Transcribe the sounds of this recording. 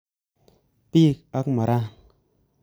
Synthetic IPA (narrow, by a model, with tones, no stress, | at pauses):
pi˦˨ka˦kma˨ɾa˦